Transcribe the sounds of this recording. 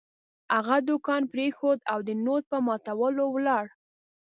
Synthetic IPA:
haɣad̪ʊkɑnpɾexod̪awd̪ənot̪̚pəmɑt̪awəlowlɑɽ

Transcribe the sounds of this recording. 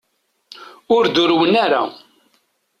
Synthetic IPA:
ʊɾd̪ʊɾwənaɾa̰

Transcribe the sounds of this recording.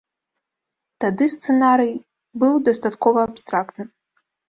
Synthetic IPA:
t̪ad̪ɨst̪sɛnaɾɨj | bɨwd̪ɐst̪at̪kɔvɐːpst̪ɾak̚t̪nɨ

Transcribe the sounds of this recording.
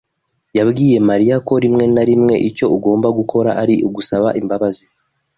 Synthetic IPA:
jabɡiːje̞maɾijako̞ɾimŋe̞naɾimŋe̞ʔico̞uɡo̞ːmbaɡukʰo̞ɾaʔaɾiʔuɡusaβaʔimbaβazi

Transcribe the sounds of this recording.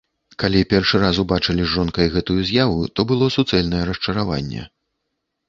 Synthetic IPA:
kalʲipʲɛrʂɨɾasubat͡ʂɨlʲiʐɔnkɐjɣɛt̪ujuzʲjavut̪ɔbɨlˠɔsut̪sɛlʲnɐjɛɾɐʂt͡ʂɐɾava̰nʲːɛ̰

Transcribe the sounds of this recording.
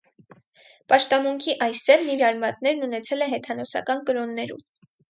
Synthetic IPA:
pɑʃt̪ɑmuŋkʰiʔɑjsɛvniɾɑɾmɑt̪nɛɾnunɛt͡sʰɛlɛɦɛt̪ʰɑnɔsɑ̰kɑnkəɾɔnːɛɾṵm

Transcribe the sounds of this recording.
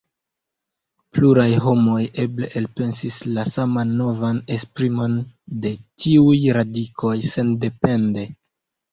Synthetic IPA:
pluɾajɦo̞mo̞je̞ble̞ʔelpe̞nsislasamanːo̞vane̞spɾimo̞nde̞tiujɾadikʰo̞jse̞nde̞pe̞nde̞

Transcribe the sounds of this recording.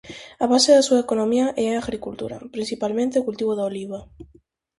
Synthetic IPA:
aβaseðasuaekonomiaʔɛaaɣɾikult̪ṵɾa̰pɾinsθipalmẽnt̪eokult̪iβ̞oðaoliβ̞a

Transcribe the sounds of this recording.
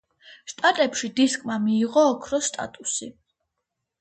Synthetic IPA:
ʃt̪ʼat̪ʼɛpʃid̪iskʼmamiːʁɔːkʰɾɔst̪ʼa̰t̪ʼusi

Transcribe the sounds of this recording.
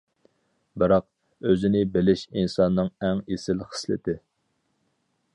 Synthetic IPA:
bɨɾɑq̚ | øzɪnɪbɪlɪʃinsɑnːɨŋɛŋesɪlχə̥slɪ̰t̪ʰɪ

